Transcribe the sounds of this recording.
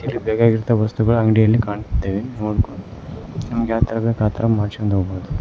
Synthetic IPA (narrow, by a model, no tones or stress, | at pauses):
ilːibɛːɡaːɡiɾt̪ɐʋɐst̪uɡɐɭɐŋɡɽijɐlːikaːɳd̪eːʋenooɽkonnɐmɐɡeaːt̪ɐɾɐbekaːt̪ɐɾɐmaːɾt͡ʃond̪oɡbɐud̪u